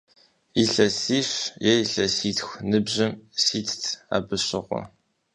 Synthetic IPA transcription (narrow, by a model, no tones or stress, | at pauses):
iɬɐsiːɕjɛiɬɐsiːtʰxʷnɨbʑɐmsiːtʰtʰa̰ːbɨɕɪʁʷɔ̰